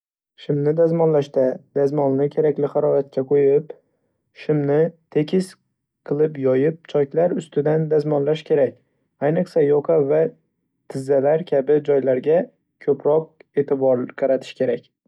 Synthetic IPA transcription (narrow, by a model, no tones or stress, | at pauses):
ʃɪmnɪd̪azmɒnlaʃd̪ad̪̥azmɒnnɪkʲʰe̞ɾakʲlɪχaɾɒjat̪̚kʲʰaqʰojɪp | ʃɪmnɪt̪ʰe̞kʲʰɪs | qʰɨlˠɪpjɒjɪp̚t͡ʃʰɒkʲlaɾʊst̪ɪd̪and̪azmɒnlaʃkʲʰe̞ɾakʲ | ajnɨqsajɒqʰɑva | t̪ʰɪzːalaɾkʲʰabɪd͡ʒɒjlaɾɡʲa | kʲʰɵpɾɒq̚e̞t̪ʰɪbɒɾqʰɑɾat̪ʰɪ̥ʃkʲʰe̞ɾakʲ